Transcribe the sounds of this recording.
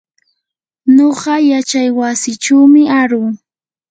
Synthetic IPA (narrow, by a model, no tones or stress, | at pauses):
noɢɑjat͡ʃajwasɪʈ͡ʂuwmɪaɾʊː